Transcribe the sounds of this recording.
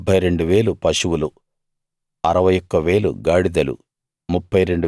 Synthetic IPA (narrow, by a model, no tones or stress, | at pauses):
bʱɐjɾe̞ɳɖuʋeːlupɐʂuwulu | ɐɾɐʋɐjɔkːɐʋe̞ːlṵɡaːɽid̪ɐlṵ | mupːɐjɾe̞ɳɖu